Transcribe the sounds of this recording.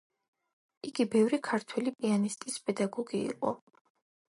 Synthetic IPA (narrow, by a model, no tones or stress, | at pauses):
iɡibɛvɾikʰaɾt̪ʰwɛlipʼianist̪ʼispʼɛd̪aɡɔɡḭːqʼɔ